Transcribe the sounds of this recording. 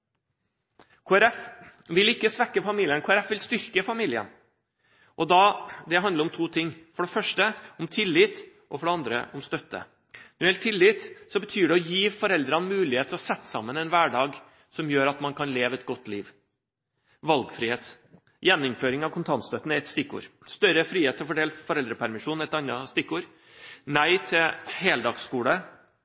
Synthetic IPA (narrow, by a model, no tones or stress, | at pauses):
kʰuːæɾɛfʋɪlɪkːəsʋɛkːəfɑmiːlɪənkʰuːæɾɛfʋɪlst̪ʏɾkəfɑmiːlɪə̰n | ʔɔd̪ɑd̪ɛɦɑnd̪ləɾɔmt̪ʰuːt̪ʰɪŋːfɔɖɛfœʂʈəɔmt̪ʰɪlːiːt̪ | ʔɔfɔɖɛɑnd̪ɾə̰ʔɔmst̪œt̪ːə̰ | nɔɾjɛlt̪ʰɪlːiːt̪sɔbət̪ʰyːɖɛɔjiːfɔɾɛld̪ɾɑnmʉːlɪheːt̪ʰəɔsɛt̪ːsɑ̰mːənɛnʋæːɖɑːɡ | sɔmjøːɾɑt̪mɑnkʰɑnleːʋəɛt̪̚ɡɔt̪ːliːʋ | ʋɑlɡfɾiːheːt̪ | jɛnːʊmføːɾɪŋɑʋkʰʊnt̪ʰɑnst̪œt̪ənɛt̪st̪ɪkːṵːɾst̪œɾəfɾiːheːt̪ːəfɔɖeːlfɔɾɛld̪ɾəpʰæɾmɪʂuːnɛt̪ɑnːɑst̪ɪkːuːɾ | næɪt̪ʰɪheːld̪ɑːɡskuːlə